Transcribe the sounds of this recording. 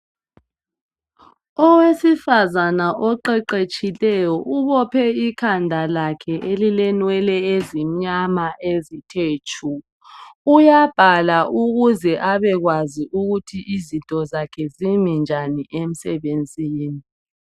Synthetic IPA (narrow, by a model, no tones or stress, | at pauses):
ɔwesifazanaʔɔǃɛǃet͡ʃʼilɛjɔʔuβɔpʰɛikʰandʱalakʰɛʔelilɛnwɛlɛezim̩ɲamaʔezitʰeːt͡ʃʰu | ujab̥ʱalaʔuɣuzɛʔaβɛɣwaziʔuɣutʰiʔizintʼɔzakʰɛzimind͡ʒʱaniʔem̩sɛβend͡zʱiːni